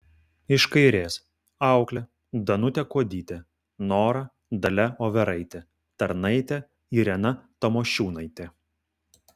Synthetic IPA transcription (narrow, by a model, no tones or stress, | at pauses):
ɪʃkɐɪɾʲeːs | ɑˑʊklʲɛ | d̪ɐnʊt̪ʲɛkoːd̪ʲiːt̪ʲɛ | noːɾɐ | d̪ɐlʲɛoːʋʲɛɾɐɪt̪ʲɛ | t̪ɐɾnɐɪt̪ʲɛ | iːɾʲɛnɐt̪ɐmoːʃʲuːnɐɪt̪ʲɛ